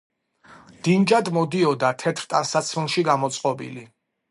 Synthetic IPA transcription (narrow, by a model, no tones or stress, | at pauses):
d̪̥ind͡ʒad̪mɔd̪iɔd̪at̪ʰɛt̪ʰɾt̪ʼansat̪sʰmɛlˠʃiɡamɔt̪sʼqʼɔbḭli